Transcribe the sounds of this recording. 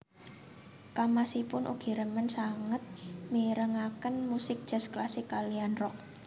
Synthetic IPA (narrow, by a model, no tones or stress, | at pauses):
kamasipʊnʔṵɡ̥i̤ɾəmənsaŋət̪̚miɾəŋakənmusɪk̚d̥ʒ̥a̤sklasɪkːalianrɔʔ̚